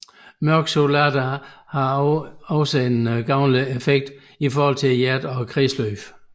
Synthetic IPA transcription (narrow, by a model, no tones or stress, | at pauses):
mœɐɡ̥solæd̥æhɑ̈ɒ̽səenɡ̥ɑ̈ʊnliefeɡ̥̚d̥ | ifɒːhɒ̽l̰t͡sʰe̝ljæɐd̥ɒ̽kʰʁiːsløːf